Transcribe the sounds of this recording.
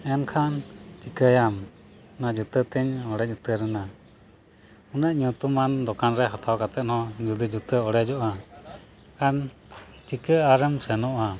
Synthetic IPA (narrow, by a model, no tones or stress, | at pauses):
ɛnkʰant͡ʃikəjam | nad͡ʒut̪ət̪ɛɲɔɽɛd͡ʒut̪əɾəna | unəʔɲũt̪umand̪ɔkanɾɛɦat̪awkat̪ɛʔ̪nhɔ̃d͡ʒud̪id͡ʒut̪əɔɽɛd͡ʒɔʔa | kan | t͡ʃikəaɾɛmsɛnɔʔa